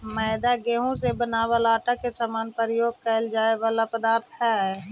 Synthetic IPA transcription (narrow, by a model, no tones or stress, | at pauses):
məːd̪aɡeːɦũsebənaːʋalaːʈakesamaːnpəɾɪjoːɡ̚kɛld͡ʒaːeʋaːlapəd̪aːɾt̪ʰɛ